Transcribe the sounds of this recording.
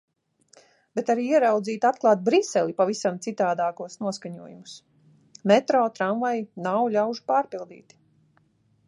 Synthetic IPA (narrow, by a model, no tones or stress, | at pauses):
bɛt̪aɾiːiɛɾawd̪ziːt̪at̪̚klˠɑːt̪̚bɾisɛlʲˠipavisamt̪sit̪aːd̪aːkuɔsnuɔskaɲuɔjumus | mɛt̪ɾɔːt̪ɾanvajnawlʲawʒu̥paːɾpilˠd̪ḭːt̪